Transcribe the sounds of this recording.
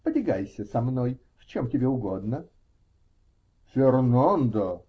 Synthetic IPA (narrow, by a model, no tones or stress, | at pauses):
pədʲɪɡajsʲəsɐmnoj | ft͡ɕomtʲɪbʲeʊɡod̪nə | fʲɪrnand̪ə